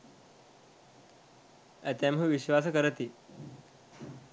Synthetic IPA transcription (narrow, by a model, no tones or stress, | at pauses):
ət̪ɛmɦuʋiɕʋas̬əkəɾət̪iː